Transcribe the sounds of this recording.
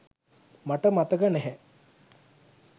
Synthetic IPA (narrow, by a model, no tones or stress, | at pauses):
maʈəmat̪əɡənɛɦɛ